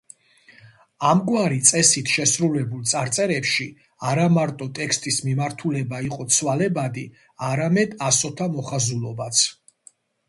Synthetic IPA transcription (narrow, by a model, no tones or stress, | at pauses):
amɡwaɾit̪sʼɛsit̪ʰʃɛsɾulɛbulˠt̪sʼaɾt̪sʼɛɾɛpʃi | aɾamaɾt̪ʼɔt̪ʼɛkst̪ʼismimaɾt̪ʰulɛbaiqʼɔt̪sʰwalɛbad̪i | aɾamɛd̪asɔt̪ʰamɔχazulˠɔbat̪sʰ